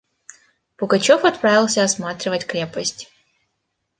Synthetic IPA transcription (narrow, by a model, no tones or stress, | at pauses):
pʊɡɐt͡ɕofɐt̪pɾavʲɪlˠsʲəɐsmat̪ɾʲɪvətʲkɾʲepəsʲtʲ